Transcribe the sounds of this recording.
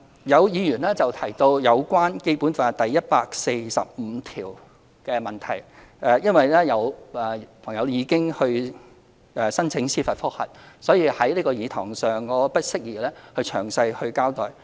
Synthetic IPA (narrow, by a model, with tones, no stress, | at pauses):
jɐ˨˧wjiː˨˧jyː˨˩nlɛː˥t͡sɐ˨wt̪ʰɐ˨˩jt̪o˧wjɐ˨˧wkʷwaː˥nke˥jpuː˨˥nfa˨t̪ɐ˨jːɐ˥t̚paː˧k̚se˧jsɐ̰˨p̚m̩˨˧˦t̪ʰiː˨˩w | kɛː˧mɐ˨˩nt̪ʰɐ˨˩jʔɛ˧jɐ˥nwɐ˨jlɛː˥jɐ˨˧wɛː˨˩pʰɐ˨˩ŋjɐ˨˧wjiː˨˧kɪ˥ŋhɵ˧ɥ | ʔɛː˨˩sɐ˥nt͡sʰɪ˨˥ŋsiː˥fɐ˨t̚fʊ˥k̚hɐ̰˨t̚sɔː˨˥jiː˧hɐ˨˥jliː˥kɔː˧jiː˨˧t̪ʰɔː˨˩ŋsœː˨˩ŋkɔː˨˧pɐ˥t̚sɪ˥k̚jiː˨˩lɛː˥hɵ˧t͡ʃʰœ̰ː˨˩ŋsɐ˧jhɵ˧ɥkaː˥wt̪ɔ̰ː˨˩j